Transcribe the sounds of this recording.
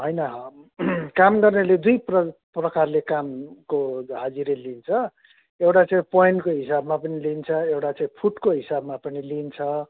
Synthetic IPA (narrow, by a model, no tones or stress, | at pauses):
ɦʌjnʌɦ | kamɡʌrneled̪ujprʌ | prʌkarlekamkoɦad͡ziɾelint͡sʰʌ | ewʈat͡saĩpoiɳʈkoɦisabmapʌnilint͡sʰʌewʈat͡saĩpʰuʈkoɦisabmapʌnilint͡sʰʌ